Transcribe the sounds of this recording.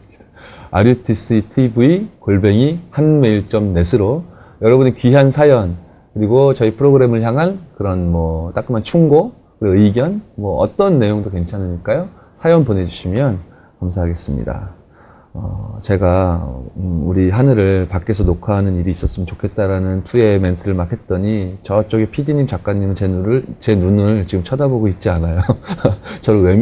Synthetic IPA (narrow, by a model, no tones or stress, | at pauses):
aɾjutʰis͈itʰibuikoɭbe̞ŋihanme̞iɭt͡ɕ͈ʌmne̞sʰɯɾo | jʌɾʌbɯnikɥiɦansʰajʌn | kɯɾiɡot͡ɕʌipʰɯɾoɡɯɾe̞mɯɭçjaŋɦankɯɾʌnmʌt͈ak͈ɯmant͡ɕʰuŋɡo | kɯɾʌɯiɡjʌnmwʌʌ̰t͈ʌnːe̞joŋdoke̞nt͡ɕʰanɯɲiɭk͈ajo | sʰajʌnpone̞d͡ʑuɕʰimjʌn | kamsʰaɦaɡe̞s͈ɯmɲḭda̰ | ʌ̰t͡ɕe̞ɡa | uɾiɦanɯɾɯɭpak͈e̞sʰʌnokʰaɦanɯniɾiːs͈ʌs͈ɯmjʌnt͡ɕokʰe̞t̚t͈aɾanɯntʰue̞me̞ntʰɯɾɯɭmakʰe̞t̚t͈ʌɲit͡ɕʌt͡ɕ͈oɡepʰidiɲimt͡ɕak͈aɲːimɯnt͡ɕe̞nuɾɯɭt͡ɕe̞nunɯɭt͡ɕiɡɯmt͡ɕʰʌdaboɡoit̚t͡ɕ͈ianajo | t͡ɕʌɾowe̞